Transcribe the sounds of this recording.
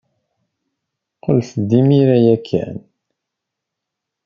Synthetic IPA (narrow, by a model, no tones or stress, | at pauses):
qolθd̪imiɾæjækʰːæ̰n